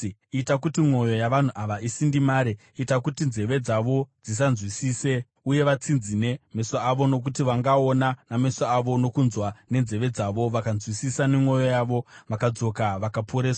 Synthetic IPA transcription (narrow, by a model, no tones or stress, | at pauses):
itak̬utimwo̞jo̞jaʋan̤uʔaʋaisindimaːɾeːtakutinze̞ʋe̞d͡zaʋo̞d͡zis̬anzwisiːse̞ | uje̞ʋat͡sinzine̞mesaːʋo̞no̞k̬utiʋaŋɡaonanamesaːʋo̞no̞kunzwane̞nze̞ʋe̞d͡zaʋo̞ʋakanzwisisane̞mo̞jo̞jaʋo̞ʋakad͡zo̞kaʋakapʰoɾeːsa